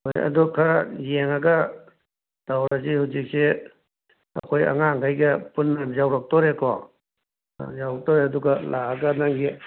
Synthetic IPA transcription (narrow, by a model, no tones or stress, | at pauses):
hojɐ̰dukʰajeŋɐɡɐ | d̥awɾɐzihuwzik̚se | ɐ̰kʰojɐ̰ŋaŋɡʰajɡɐpunːɐzawɾɐk̚tɔɾekɔ̰ | zawɾɐk̚tɔɾeɐduɡɐlʔaaɡɐnaŋɡi